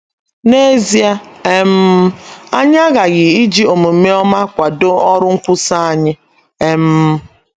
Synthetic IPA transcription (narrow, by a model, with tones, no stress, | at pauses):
ne˦zi˦a˦e˦m̩˦a˦ɲ˦a˦ɣa˨ɣɪ˨i˦d͡ʒi˦o˨mo˨m̩˨me˦ɔ˦ma˦kʷa˨do˦ɔ˦ɾʊ˦ŋ̩˦kʷʊ˦sa˦a˨ɲɪ˦ | e˦m̩˦